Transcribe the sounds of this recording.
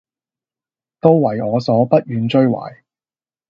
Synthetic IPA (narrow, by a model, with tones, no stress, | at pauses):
t̪o˥wwɐ˨˩jɔː˨˧sɔː˨˥pɐ˥t̚jyː˨˧nt͡ʃɵ˥ɥwa̰ː˨˩j